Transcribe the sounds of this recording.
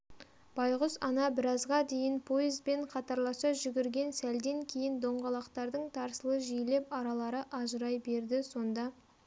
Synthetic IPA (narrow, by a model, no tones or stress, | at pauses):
b̥ɑjʁʊsɑnɑbɪɾɑzʁɑd̪e̞jɪnpʰo̞jɪzbe̞ɴqʰɑt̪ɑɾlˠɑsɑʒʏɡʲɪɾɡʲe̞nsæld̪e̞ŋkʲʰe̞jɪnd̪o̞ɴʁɑlˠɑqt̪ɑɾd̪əɴt̪ʰɑɾsəlˠəʒijle̞pɑɾɑlˠɑɾəʔɑʒəɾɑjbe̞ɾd̪ɪso̞nd̪ɑ